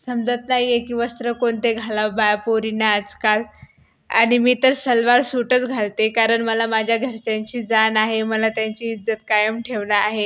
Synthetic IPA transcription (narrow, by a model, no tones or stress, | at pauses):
səmd͡zat̪naɦijekiːʋəst̪ɾəkoɳt̪eɡʱalabajpoɾinaːd͡zkal | aɽ̃imiːt̪əɾsəlʋaɾsuʈət͡sɡʱalt̪ekaɾəɳməlamad͡ʑʱjaɡʱəɾt͡ɕaɲt͡ɕiːd͡zanaɦeməlat̪jaɲt͡ɕiːd͡zət̪̚kajəmʈʰeʋnaaɦe